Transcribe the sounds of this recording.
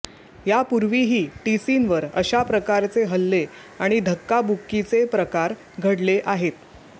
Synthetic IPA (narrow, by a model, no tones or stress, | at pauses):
japuɾʋiɦiːʈisinʋəɾə̰ɕapɾəkaɾt͡seɦəlːe | aɽ̃id̪ʱəkːabukːit͡sepɾəkaɾ | ɡʱəɽleʔaɦet̪